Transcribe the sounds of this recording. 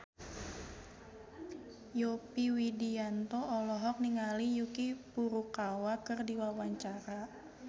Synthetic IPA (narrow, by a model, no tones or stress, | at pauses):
jopiwidiant̪ɔʔɔlɔɦɔk̚niŋalijukipuɾukawakɨrdiwawaɲt͡ʃaɾa